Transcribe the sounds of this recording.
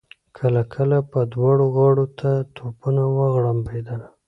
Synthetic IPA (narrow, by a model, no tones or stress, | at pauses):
kʰəlakʰəlapəd̪wɑɽoɣɑɽot̪ʰat̪ʰopunawaɣɽambed̪ana